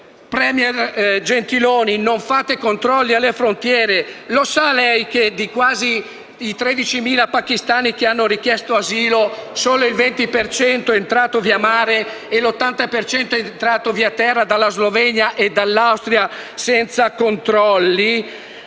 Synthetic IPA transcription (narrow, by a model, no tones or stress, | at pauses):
pɾɛmjerd͡ʒent̪iloːninoɱfaːt̪ekont̪ɾɔlːialːefɾont̪jɛːɾelosalɛjk̟ed̪ikwaːziː | t̪ɾed̪it͡ʃimiːlapak̟ist̪aːnikeanːoɾik̟jɛst̪oaziːlosoːloilvent̪ipert͡ʃɛnt̪oɛent̪ɾaːt̪oviːamaːɾeː | lot̪ːant̪apert͡ʃɛnt̪oɛent̪ɾaːt̪oviːat̪ːɛrːad̪alːazlovɛɲaʔed̪alːawst̪ɾjasɛnt̪sakont̪ɾɔlːi